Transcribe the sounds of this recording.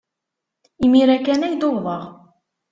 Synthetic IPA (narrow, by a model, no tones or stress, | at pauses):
imiɾækːænæjd̪olvˤəʁ